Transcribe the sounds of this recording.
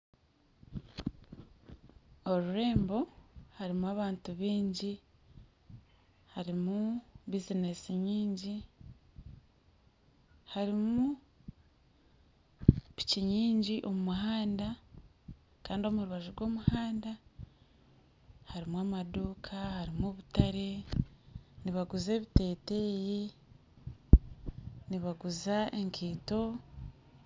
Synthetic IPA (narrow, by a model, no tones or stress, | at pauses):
o̞ɾuɾe̞ːmbo̞haɾimuwaːβaːntuβiːɲɟi | haɾimubizine̞siɲiːɲɟi | haɾimu | pi̥ciɲiːɲɟiʔo̞mumuɦaːnda | kaːndio̞muɾuβaʒuɾɡwo̞ːmuhaːnda | haɾimwamaduːkʰahaɾimuβutaɾe̞ | niβaɡuze̞ːβite̞ːte̞ːji | niβaɡuzaʔeŋkʰiːto̞